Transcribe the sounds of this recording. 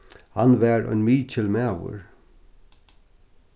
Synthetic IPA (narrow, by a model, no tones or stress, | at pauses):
hanʋæːɹɔ̰jnmiːcʰɪlmæːwʊ̰ɹ